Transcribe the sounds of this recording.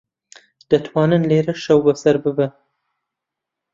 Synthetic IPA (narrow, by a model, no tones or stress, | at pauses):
d̪̥ət̪wɑnanleɾaʃawbasaɾbəba